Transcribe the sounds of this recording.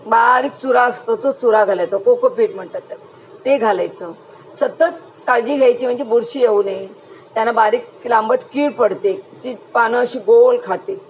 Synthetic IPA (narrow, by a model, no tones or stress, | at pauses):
baɾiːk̚t͡suɾaəst̪ot͡sot͡suɾaɡʱalajt͡səkokopiːʈm̤əɳt̪at̪ːəɾ | t̪eɡʱalajt͡sə | sət̪ət̪̚ | kad͡ʑiːɡʱajt͡ɕiːm̤əɳd͡zebuɾɕijeune | t̪janabaɾiːklambəʈkiːɽpəɽt̪et̪iːpanəːɕiːɡolkʰat̪e